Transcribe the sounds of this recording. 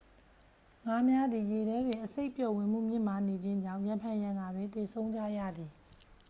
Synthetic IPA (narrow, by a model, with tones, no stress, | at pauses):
ŋa˨˦mja˦d̪i˨je˨ɾɛ˦dɪ̃˨ʔəse˦ɪʔpjɔ˨wɪ̃˨m̥ṵ˦˨mjɪ̰̃˦˨m̥a˨ne˨d͡ʑɪ̃˦ɲd͡ʑã˦˨jã˨mpʰã˦˨jã˦˨ŋɡa˨dwɪ̃˨t̪e˨sʰõ˦ʊ̃ɲd͡ʑä̰˦˨ja̰˦˨d̪i˨